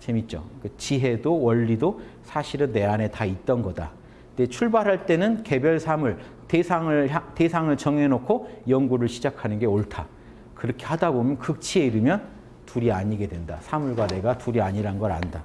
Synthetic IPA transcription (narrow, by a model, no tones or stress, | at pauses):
t͡ɕe̞mit̚t͡ɕ͈o̰kɯt͡ɕiɦe̞dowʌʎːido | sʰaɕʰiɾɯnːe̞ane̞tait̚t͈ʌnɡʌda̰ | ndet͡ɕʰuɭbaɾɦaɭt͈e̞nɯnke̞bjʌɭsʰamuɭ | tesʰaŋɯɭate̞sʰaŋɯɭt͡ɕʌŋe̞nokʰojʌŋɡuɾɯɭɕʰid͡ʑakʰanɯnɡe̞oɭtʰa | kɯɾʌkʰe̞hadabomjʌnkɯk̚t͡ɕʰie̞iɾɯmjʌn | tuɾiaɲiɡe̞dwe̞nda̰sʰamuɭɡwane̞ɡatuɾiaɲiɾanɡʌɾa̰nda